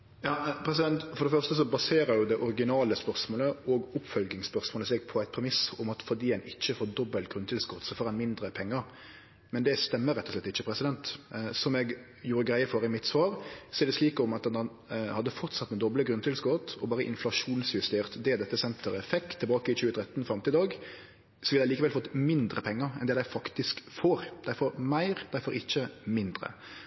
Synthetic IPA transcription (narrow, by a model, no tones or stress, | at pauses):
jɑːpʰɾɛsɪd̪ɛnt̪fɔɾd̪ɛfœʁst̪əs̬ɔbɑseːɾəɾjʊd̪ɛʔɔɾɪɡɪnɑːləspœʁsmoːləɔɡʊpːfœlɡɪŋspœɾsmoːləsɛɡ̚pʰɔæɪt̪̚pʰɾɛmɪsʊmɑt̪fɔd̪iːæɪnɪt͡ʃːəfoːd̪ɔbːəlt̪ɡɾʉnːt̪ʰɪlskɔt̪sɔfoːɾɛnmɪnd̪ɾəpʰɛŋːəɾ | mɛnd̪ɛst̪ɛmːəɾɛt̪ːɔʂlɛt̪ːɪçːəpʰɾɛsɪd̪ɛnt̪sɔmɛɡ | juːɾəɡɾæɪəfɔɾɪmɪt̪sʋɑːʁsɔɛɾd̪ɛsliːkɔmɑt̪nɑn | hɑd̪ːəfɔʁt̪sɑt̪ːmɛd̪ɔbləɡɾʉnt̪ɪlskɔt̪ɔbɑːɾəʔɪ̰nflɑʂuːnsjʉst̪eːʁt̪d̪ɛd̪ɛt̪ːəsɛnt̪ʰəɾɛfɛkt̪ʰːɛlbɑːkəɪt͡ʃʉːət̪ʰɾɛt̪ːnfɾɑmt̪ɪd̪ɑːɡ | sɔʋɪldæɪliːkəʋɛlfɔt̪ːmɪnd̪ɾəpʰɛŋːəɾɛnd̪ɛd̪æɪfɑkt̪ɪskfoːɾd̪̥æɪfoːɾmæɪɾd̪̥æɪfoːɾɪçːəmɪnd̪ɾə̰